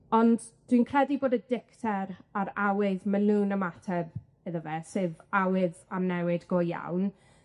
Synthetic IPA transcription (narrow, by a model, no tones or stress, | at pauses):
ɔnd | d̥winkʰr̥ɛdiboːdədɪktʰɛɾaɾawɪðmɛluːnəmatʰɛr | ɛðəvɛsɨvawɪðanɛwɪdɡoːjja̰wn